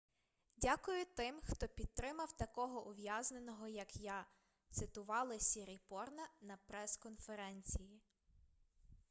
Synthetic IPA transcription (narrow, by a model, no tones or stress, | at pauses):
dʲakʊjʊt̪ɪmxt̪ɔpʲid̪̚t̪ɾɪmɐwt̪ɐkɔɦɔʔʊʋjazne̞nɔɦɔjɐkja | t̪sɪt̪ʊʋɑlˠɪsʲiɾʲipɔrnɐnɐpɾɛskɔnfeɾɛnʲt͡sʲiji